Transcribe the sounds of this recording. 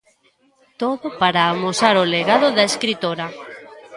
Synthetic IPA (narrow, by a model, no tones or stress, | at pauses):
t̪oðʊpaɾaːmosaɾoleɣaðʊðaeskɾit̪oɾɐ